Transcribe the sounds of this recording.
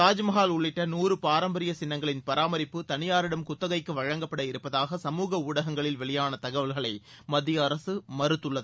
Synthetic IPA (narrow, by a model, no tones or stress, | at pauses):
aːd͡ʒmɐɣaːlʊɭːɪʈːɐnuːɾɯpaːɾɐmbɐɾɪjɐsɪnːɐŋɡɐɭɪnpɐɾaːmɐɾɪpːɯt̪ɐnɪjaːɾɪɽɐmkʊt̪ːɐɣɐɪkːɯʋɐɻɐŋɡɐpːɐɽɐjɪɾɯpːɐðaːɣɐsɐmuːɣɐʊɽɐɣɐŋɡɐɭɪlʋɛɭɪjaːnɐt̪ɐɣɐʋɐlɣɐɭɐɪmɐd̪ːɪjɐːɾɐsɯmɐɾɯt̪ːɯɭːɐðɯ